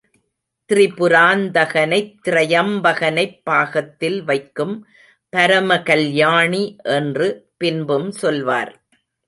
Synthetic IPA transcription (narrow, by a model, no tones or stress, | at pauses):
t̪ɪrɪpɯɾaːnd̪ɐɣɐnɐɪt̪ːɪɾɐjɐmbɐɣɐnɐɪpːaːɣɐt̪ːɪlʋɐɪkːɯm | pɐɾɐmɐkɐljaːɳiʔɛndrɯpɪnbɯmsɔlʋa̰ːɾ